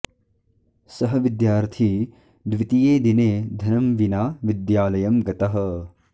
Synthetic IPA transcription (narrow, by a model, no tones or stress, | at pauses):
sɐɦɐ̆ʋid̪jaːɾt̪ʰi | d̪ʋit̪ijeːd̪ineːd̪ʱɐnɐmʋinaːʋid̪jaːlɐjɐmɡɐt̪ɐɦɐ̆